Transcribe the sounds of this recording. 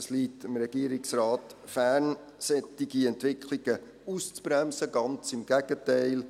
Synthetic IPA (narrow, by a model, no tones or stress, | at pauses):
əsliːt̪ɪmɾɛɡ̥iəɾɪksɾɑːt̪ | fæːn | sɛtiɡiɛntʋɪkʰliɡ̥ə | ust͡spɾæmsəɡɑnt͡sɪmɡ̥æɡ̥ətæɪl